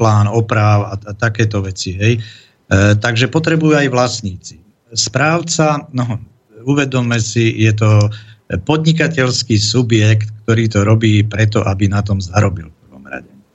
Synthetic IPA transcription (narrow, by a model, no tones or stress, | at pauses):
plaːnɔpɾaːʊaat̪akɛːt̪ɔʋɛt͡siɦɛj | t̪aɡʒɛpɔt̪ɾɛbujuajʋlasɲiːt͡si̥ | spɾaːʊt͡sanɔ | uʋɛd̪ɔmːɛsijɛt̪̬ɔ | pɔd̪ɲik̬acɛʎskiːsubjɛkt̪k̚t̪ɔɾiːt̪ɔɾɔbiːpɾɛt̪ɔʔabinat̪ɔmzaɾɔbilfprʋɔ̰mɾa̰ɟɛ